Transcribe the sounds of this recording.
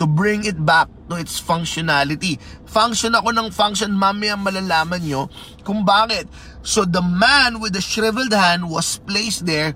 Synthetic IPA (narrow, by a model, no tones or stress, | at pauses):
t̪ʊbɹɪ̃ŋɪt̪̚bak̚t̪ʊʔɪt̪sfɐŋkʃɔnalɪt̪i | faŋkʃonɐko̞nɐŋfaŋkʃonmamɪjɐŋmɐlalaːmɐnɲo̞ | kʊŋbaːkɛt̪̚ | sod̪ɐmanwɪd̪ɐʃɹɪvɛld̪̚hãnd̪̚wɐsplejsd̪ɛɹ